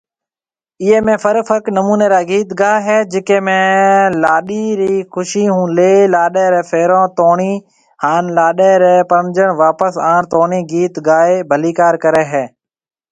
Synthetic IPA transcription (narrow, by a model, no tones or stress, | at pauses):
ɪeːmẽːfʰəɾfʰəknəmuːneːɾaːɡiːt̪ɡaːɦɛːd͡ʒɪkeːmẽːlaːɗiːɾiːxʰʊʃiːɦũːleːlaːɗeːɾeːfʰeːɾõːt̪oːɳiː | haːnlaːɗeːɾeːpəmd͡ʒəɳʋaːpəsaːɳt̪oːɳiːɡiːt̪ɡaːeːbʱəliːkaːɾkəɾeːɦeː